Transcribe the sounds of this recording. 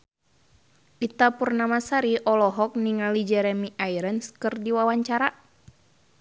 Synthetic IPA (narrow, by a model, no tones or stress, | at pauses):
ʔit̪apurnamasaɾiʔɔlɔɦɔk̚niŋalid͡ʒɛɾɛmiʔaiɾənskɨrdiwawaɲt͡ʃaɾa